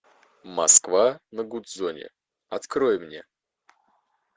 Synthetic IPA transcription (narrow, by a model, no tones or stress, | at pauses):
mɐ̰skvanəɡut̪zonʲɪ̰ | ɐt̪kɾojmnʲḛ